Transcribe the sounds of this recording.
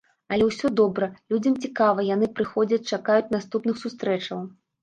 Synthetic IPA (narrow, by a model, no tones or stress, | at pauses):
ɐlʲɛwsʲɔd̪ɔbɾɐlʲud͡zʲɐmt͡sʲikavɐjan̪ɨpɾɨxɔd͡zʲɐt͡sʲt͡ʂakajut͡sʲn̪ast̪upnɨxsust̪ɾɛt͡ʂɐw